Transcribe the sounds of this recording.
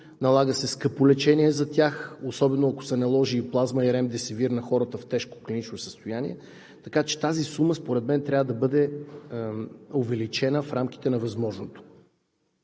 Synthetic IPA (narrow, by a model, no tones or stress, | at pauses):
nɐlˠaɡəsɛskəpolɛt͡ʃɛnʲiɛzɐt̪ʲjaxosɔbɛnoɐko̥sɛnɐlˠɔʒiːplˠazməiɾɛmd̪ɛsɛviɾnɐxɔɾət̪əft̪ɛʃko̥klinit͡ʃnosə̥st̪ojanḭɛ | t̪ɐkat͡ʃɛ̥t̪azisuməspoɾɛd̪mɛnt̪ɾʲavəd̪ɐbɤd̪ɛ | ovɛlit͡ʃɛnəfɾamki̥t̪ɛnɐvɐzmɔʒnot̪o̥